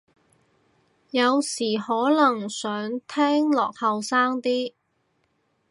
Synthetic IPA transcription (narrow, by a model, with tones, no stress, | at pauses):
jɐ˨˧wsiː˨˩hɔː˨˥lɐ˨˩ŋsœː˨˥ŋt̪ʰɛː˥ŋlɔː˨k̚hɐ˨˧wsaː˥ŋt̪iː˥